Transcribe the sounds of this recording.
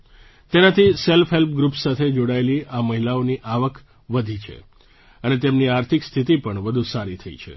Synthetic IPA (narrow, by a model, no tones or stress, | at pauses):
t̪enat̪ʰiselfɦelpɡɾupsat̪ʰed͡ʒoɽaeliʔaməɦilaoniʔaʋəkʰ | ʋəd̪ʱit͡ʃʰḛ | ənet̪emniaɾt̪ʰikst̪ʰit̪ipəɳʋəd̪ʱusaɾit̪ʰəḭt͡ʃʰḛ